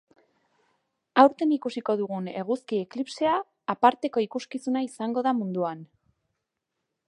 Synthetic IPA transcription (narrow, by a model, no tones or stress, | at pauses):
awɾt̪e̞nikusiko̞ðuɣ̞une̞ɣ̞uskie̞klipse̞aː | paɾt̪e̞ko̞ikuskisunaisaŋɡo̞ðamund̪uan